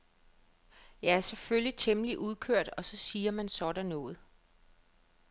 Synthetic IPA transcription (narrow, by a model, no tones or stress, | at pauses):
jɑæɐseføljit͡sʰemliʔuðˠkʰøɐ̰d̥ɒ̽sɒ̽siːɐmænsɒ̽d̥ænːɔ̽ːð̩ˠ